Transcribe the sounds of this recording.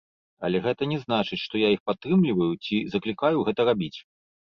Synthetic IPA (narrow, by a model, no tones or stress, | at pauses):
ɐ̰lʲɛɣɛt̪ɐnʲɛznat͡ʂɨt͡sʲʂt̪ɔjaixpat̪ːɾɨmlʲivɐjut͡sʲizɐklʲikajuɣɛt̪ɐɾabʲit͡sʲ